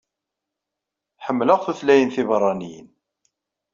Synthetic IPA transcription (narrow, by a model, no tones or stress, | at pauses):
ħəmːləʁθuθlæjənθivrˤːɑnijə̰n